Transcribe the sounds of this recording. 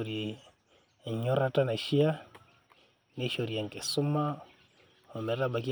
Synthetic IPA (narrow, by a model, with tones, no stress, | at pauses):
ɾi | ɛ˨ɲo˦ɾa˦ta˦na˨ʃi˦a˦ | ne˦ʃo˨ɾiɛ˨ŋkɪ˨sʊ˦ma˦ | o˨mɛ˨ta˦ba˨k̬i˦